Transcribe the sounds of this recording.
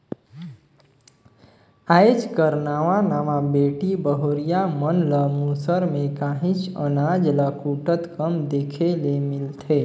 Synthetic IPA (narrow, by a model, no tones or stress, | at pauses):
aːed͡ʒkəɾnaːʋãnaːmãbeːʈibəɦoːɾijamənləmuːsəɾmẽkaːɦĩt͡ʃənaːd͡ʒləkuːʈət̪kəmd̪eːkʰelemɪlt̪ʰeː